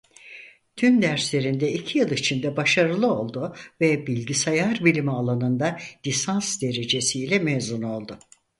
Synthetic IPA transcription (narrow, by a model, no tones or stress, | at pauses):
t̪ʰynd̪æɾslʲe̞ɾind̪ɛicʰijɯlˠit͡ʃʰind̪ɛbaʃaɾɯlˠɯo̞lˠd̪ʊvɛbilʲɟisajaɾbilʲimialˠanɯnd̪al̥ʲisansd̪e̞ɾe̞d͡ʒe̞sijlʲɛmezuno̞lˠd̪ʊ